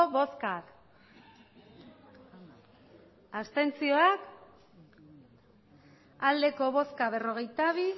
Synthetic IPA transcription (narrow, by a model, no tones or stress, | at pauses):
oβo̞skak | ast̪e̞nt͡sio̞ak | ald̪e̞ko̞β̞o̞skaβ̞e̞ro̞ɣ̞e̞jt̪aβ̞i